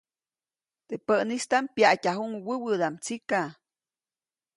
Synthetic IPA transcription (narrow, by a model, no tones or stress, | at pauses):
t̪eʔpəʔnist̪ampjaʔcʲaɦuŋwəwɨd̪amt͡sika